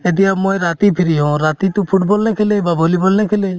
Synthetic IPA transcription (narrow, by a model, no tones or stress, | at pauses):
ed̪iamojɾat̪ipʰiɾiɦɔ̃ɾat̪it̪upʰuʈbɔlnɛkʰelebabolibɔlnɛkʰɛle